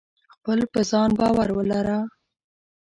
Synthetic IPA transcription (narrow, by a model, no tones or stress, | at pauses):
xpəlpəzɑnbɑwaɾwəlaɾa